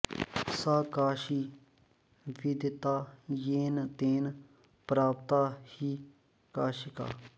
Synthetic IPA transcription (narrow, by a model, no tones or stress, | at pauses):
saːkaːʃiː | ʋɪd̪t̪aːjeːnt̪eːn | pɾaːpt̪aːhiː | kaːʃɪka̰ː